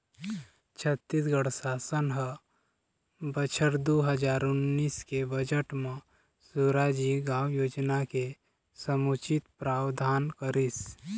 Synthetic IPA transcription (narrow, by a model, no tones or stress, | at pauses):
t͡ʃʰət̪ːisɡəɽsaːsənɦə | bət͡ʃʰəɾd̪oɦəd͡ʒaːɾʊnːiːskebəd͡ʒəʈmã | suːɾad͡ʒiɡãːwjoːd͡ʒnake | səmut͡ʃɪt̪pɾaːwd̪ʱaːnkəɾɪs